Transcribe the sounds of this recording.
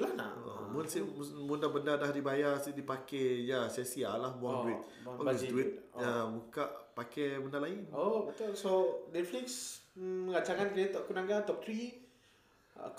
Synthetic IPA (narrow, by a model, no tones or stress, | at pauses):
lana̰o̰munsimmundabəndadahdibajasidipakɛjasɛsialahbuaŋuit̪̚ | a̰isduit̪̚amukaʔpakɛbəndalainobət̪ulsonɛt̪fliksməŋat͡ʃakankəet̪ɔʔkunaŋɡat̪ɔp̚t̪ɾi